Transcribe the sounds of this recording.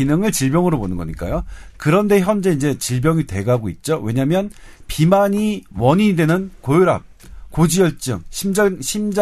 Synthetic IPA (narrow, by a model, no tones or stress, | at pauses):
inɯŋɯɭt͡ɕiɭbjʌŋɯɾoponɯnɡʌɲik͈a̰jokɯɾʌnde̞çjʌnd͡ʑe̞ind͡ʑe̞t͡ɕiɭbjʌŋite̞̰ɡaɡoit̚t͡ɕ͈owe̞ɲamjʌnpimaɲiwʌɲidwe̞nɯnkojoɾa̰p̚ | kod͡ʑijʌɭt͡ɕ͈ɯ̰ŋɕʰimɕʰimd͡ʑ